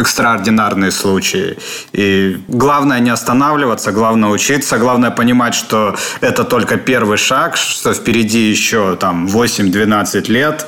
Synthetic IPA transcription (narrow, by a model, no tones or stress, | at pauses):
ɛkst̪ɾəɐrdʲɪnarnɨjəslˠut͡ɕɪɪ̰ | iɡlˠavnəjənʲɪɐst̪ɐnavlʲɪvət̪səɡlˠavnəjəʊt͡ɕit̪səɡlˠavnəjəpənʲɪmatʲʂt̪oɛt̪ət̪o̞lʲkəpʲe̞rvɨjʂakʂt̪o̞fpʲɪɾʲɪdʲijɪɕːot̪amvosʲɪmʲd̪vʲɪnat̪sɨtʲlʲe̞t̪